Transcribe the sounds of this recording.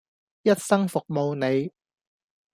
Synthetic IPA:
jɐ˥t̚sɐ˥ŋfʊ˨k̚mo˧wne˨˧j

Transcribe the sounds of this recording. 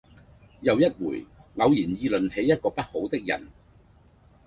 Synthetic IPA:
jɐ˨˧wjɐ˥t̚wuː˨˩jŋɐ˨˧wjiː˨˩njiː˧lɵ˨nhe˨˥jːɐ˥t̚kɔː˧pɐ˥t̚ho˨˥wt̪ɪ˥k̚jɐ̰˨˩n

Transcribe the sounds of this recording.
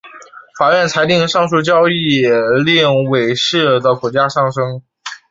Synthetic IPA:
fa˨˩ɥɛ˥˩nt͡sʰa˧˥ɪt̪i˥˧ŋʂɑ˥˧ŋʂu˥˩t͡ɕjɑ˥ʊi˥˩jɛ˨˩li˥˩ŋwe˨˩ɪʂɻ̩˥˩d̪ə˩kʰɔ˨˩t͡ɕja˥ʂɑ˥˩ŋʂɤ˥ŋ

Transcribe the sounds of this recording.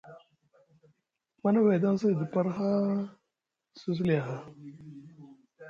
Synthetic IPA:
ma˦na˦we˨da˦ŋ˦s̬a˦˨də˨pa˦ɾxa˦ | su˦s̬u˦li˨ja˨ɦa˦˨

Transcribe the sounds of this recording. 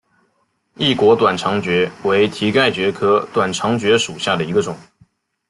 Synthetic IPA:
i˥˩kwɔ˧˥t̪wa˨˩nʈ͡ʂʰɑ˧˥ŋt͡ɕɥɛ˧˥we˧˥ɪt̪ʰi˧˥ka˥˩ɪt͡ɕɥɛ˧˥kʰɤ˥t̪wa˨˩nʈ͡ʂʰɑ˧˥ŋt͡ɕɥɛ˧˥ʂu˨˩ɕja˥˩d̪ə˩i˧˥ɡə˧ʈ͡ʂʊ˨˩˦ŋ

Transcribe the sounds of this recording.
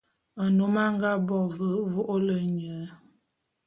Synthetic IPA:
ə˨no˦ma˦ŋ˦ɡa˦bɔ˦˨və˨˦vo˦ʔo˦lə˦ɲə˨˦

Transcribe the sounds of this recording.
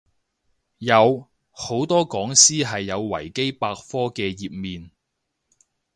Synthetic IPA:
jɐ˨˧w | ho˨˥wt̪ɔː˥kɔː˨˥ŋsiː˥ɦɐ˨jːɐ˨˧wwɐ̰˨˩jke˥jpaː˧k̚fɔː˥kɛː˧jiː˨p̚miː˨n

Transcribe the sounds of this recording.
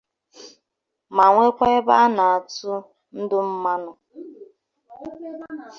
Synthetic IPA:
ma˨ŋʷe˦kʷa˦ɪ˦ba˦na˨a˨tʊ˦ | n̩˦dʊ˦m̩˦ma˦nʊ˦

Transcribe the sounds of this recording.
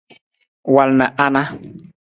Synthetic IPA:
wa˨lna˨ʔa˦na˦

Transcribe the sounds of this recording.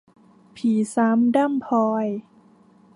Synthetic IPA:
pʰiː˨˩˦saː˨˩˦mda˥˨mpʰɔː˧j

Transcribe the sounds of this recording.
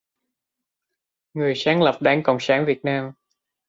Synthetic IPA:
ŋɨ˨˩əjsaː˨˦ŋlə˨˩p̚ɗaː˨˦ŋkə̰˧˩wŋ͡msaː˧˦nvi˨˩ət̚naː˧m

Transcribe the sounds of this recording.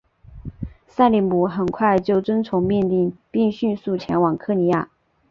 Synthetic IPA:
sa˥˩ɪli˧˥˩npu˧˥xə˨˩nkʰwa˥˧ɪt͡ɕjo˥˩ʊt͡swə˥nt͡sʰʊ˧˥ŋmɛ˥˧nt̪i˥˧ŋpi˥˧ŋɕy˥˧su˥˩t͡ɕʰjɛ̰˧˥nwɑ˨˩ŋkʰɤ˥˩ni˧˥ja̰˥˩

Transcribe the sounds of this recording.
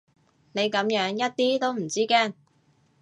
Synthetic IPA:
ne˨˧jkɐ˨˥mjœː˨˥ŋjɐ˥t̚t̪iː˥t̪o˥wm̩˨˩t͡siː˥kɛː˥˩ŋ

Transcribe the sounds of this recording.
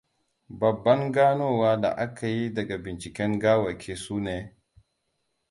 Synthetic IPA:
bɐ˨bːɐ˦ŋɡaː˦noː˦waː˦da̰˨ʔa˦ka˨ji˦dɐ˨ɡa˨bɪ˨nt͡ʃɪ˨kʲɛ˦ŋɡaː˦wɐ˨kʰʲeː˦suː˦neː˦˨

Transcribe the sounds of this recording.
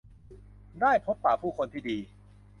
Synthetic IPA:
daː˥˩jpʰo˦˥pːaː˨˩pʰuː˥˩kʰo˧nt̪ʰiː˥˩diː˧

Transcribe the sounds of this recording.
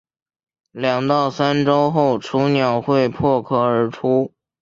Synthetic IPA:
ljɑ˨˩ŋt̪ɑ˥˩ʊsa˥nʈ͡ʂo˥ʊxo˥˩ʊʈ͡ʂʰu˧˥njɑ˨˩ʊxwe˥˧ɪpʰwɔ˥˧kʰɤ˥˩ə˞˧˥ʈ͡ʂʰu˥

